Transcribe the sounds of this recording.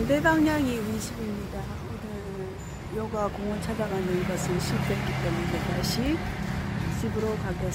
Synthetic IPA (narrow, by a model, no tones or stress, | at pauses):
ndebaŋɲaŋiiɕʰibimɲida | onɯɾ | jʌɡakoŋʌnt͡ɕʰad͡ʑaɡanɯnɡʌsʰɯnɕʰik̚t͈wet̚k͈it͈e̞munetaɕʰi | ɕʰibɯɾokaɡʌs